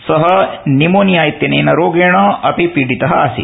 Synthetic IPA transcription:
sɐɦɐnimoːnijaːjit̪jɐneːnɐɾoːɡeːɳɐʔɐpipiɖit̪ɐɦɐa̰ːsḭ

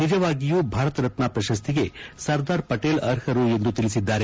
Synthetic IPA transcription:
nid͡ʒɐʋaːɡijuːbʱaːɾɐt̪ɐɾɐt̪napɾɐʃɐs̬t̪ʰiɡe̞sɐɾd̪aːɾpɐʈeːlɐɾhɐɾue̞nd̪ut̪ilisid̪ːaːɾe

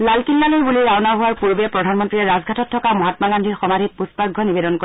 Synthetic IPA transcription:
lalkilːalojbuliawnaɦuwaɹpuɹbɛpɹɔdʱanmɔntɹiɛɹazɡʱatɔtʰːɔkamɔɦatmaɡandʱixɔmadʱit̚puspaɡʱɔnibedɔnko

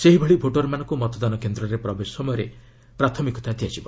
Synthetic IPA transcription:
seɦibʱeɭiboʈɔɾmanɔ̃ŋkumɔt̪ɔd̪ɔnɔkend̪ɾɔɾepɾɔbesɔsɔmɔjɔɾe | pɾat̪ʰɔmikɔt̪at̪ijat͡ʃibɔ

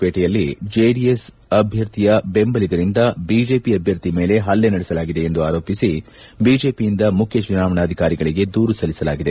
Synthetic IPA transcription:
peːʈɛjɐlːid͡ʒeːɖies | ɐbʱjɐɾt̪ʰijɐbe̞mbɐliɡɐɾind̪ɐbiːd͡ʒe̞ːpiɐbʱjɐɾt̪ime̞ːle̞ɦɐlːenɐɽɛsɐlaːɡid̪e̞ːnd̪uaːɾo̞ːpisi | biːd͡ʒe̞ːpijind̪ɐmukʰjɐt͡ʃunaːʋɐɳaːd̪ʱikaːɾiɡɐɭiɡe̞d̪uːɾusɐlːisɐlaːɡid̪e

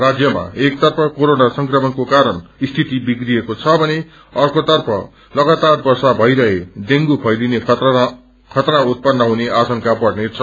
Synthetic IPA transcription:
rad͡zjʌma̰ek̚t̪ʌrpʰʌkoɾonasʌŋkrʌmʌnkokaɾʌnist̪ʰit̪ibikriekot͡sʰʌbʱʌne | ʌrkot̪ʌrpʰʌ̰ | lʌɡat̪arbʌrsabʱʌjɾʌɦed̪eŋɡupʰʌjline | kʰʌt̪ɾaut̪̚pʌnːʌɦuneasʌnkapʌɽnet͡sʰʌ

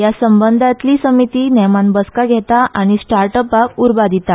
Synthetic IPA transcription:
jasəmbənd̪ʱat̪liːsəmit̪iːnɛmanbəskaɡʱɛt̪aʔaɽ̃isʈaɾʈəpakuɾbad̪ʱit̪a

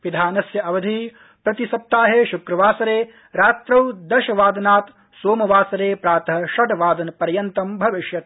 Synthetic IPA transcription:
ʋid̪ʱaːnɐsjɐɐʋɐd̪ʱi | pɾɐt̪isɐp̚t̪ːaːɦeːʃukɾɐʋaːsɐɾeː | ɾaːt̪ɾɐwd̪ɐʃɐʋaːd̪ɐnaːt̪ | soːmɐʋaːsɐɾeːpɾaːt̪ɐɦɐʃɐɖɐʋaːd̪ɐnɐpɐɾjɐnt̪ɐmbʱɐʋiʃjɐt̪

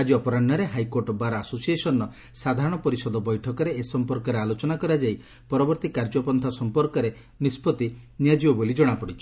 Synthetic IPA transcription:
ad͡ʒiɔpɔɾaɳɔɾeɦajkoɾʈɔbaɾaasosiesɔnɔ | sad̪ʱaɾɔɽ̃ɔpɔɾisɔd̪ʱɔbɔjʈʰɔkɔɾeesɔmpɔɾkɔɾealot͡ʃɔnakɔɾad͡ʒai | pɔɾɔbɔɾt̪ikaɾd͡ʒɔpɔnt̪ʰasɔmpɔɾkɔɾe | nispɔt̪inijad͡ʒibɔbolid͡ʒɔɽ̃apɔɽit͡ʃʰɔ̥

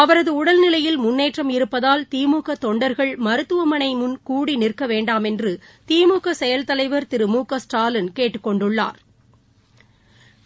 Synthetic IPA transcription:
ɐʋɐɾɐðɯʊɽɐlnɪlɐjɪlmʊnːeːʈrɐmɪɾɯpːɐðaːlt̪iːmuːkɐt̪ːɔɳɖɐɾɣɐɭmɐɾɯt̪ːɯʋɐmɐɳɐɪmʊnkuːɽinɪrkɐʋeːɳɖaːmɛndrɯ | t̪iːmuːkɐsɛjɐlt̪ɐlɐɪʋɐɾt̪ɪɾɯmuːkːɐsʈaːlɪnkeːʈːɯkːɔɳɖɯɭːa̰ːɾ

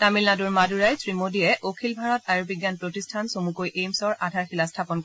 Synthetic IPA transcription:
tamilnaduɹmaduɹajsɹimodijɛʔokʰilbʱaɹɔtajubiɡjanpɹotistʰansomukojʔejmsɔɹʔadʱaɹxilastʰapɔnk

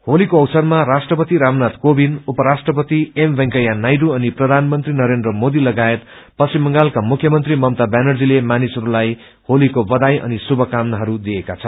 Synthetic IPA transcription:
holikoʌwsʌrmarasʈrʌpʌt̪iɾamnat̪kobinupʌɾasʈrʌpʌt̪iembʱʌŋkʌjanajɖuʌniprʌd̪ʱanmʌnt̪rinʌɾend̪rʌmod̪ilʌɡaet̪ | pʌsimːʌŋɡalkamukʰjʌmʌnt̪rimʌmt̪abanʌrd͡zilemanisʌɾulaj | holikobʌd̪ajʌ̰nisubʱʌkamnʌɦʌɾud̪iekat͡sʰʌn

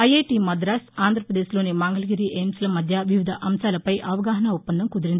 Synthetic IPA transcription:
ɐjeːʈiːmɐd̪ɾaːsaːnd̪ʱɾɐpɾɐd̪e̞ːslo̞ːnimaːŋɡɐlɐɡiɾiʔeːmslɐmɐd̪ʱjɐʋiʋid̪ʱɐʔɐmsaːlɐpɐjʔɐʋɐɡaːɦɐnɐupːɐnd̪ɐmkud̪iɾind̪i

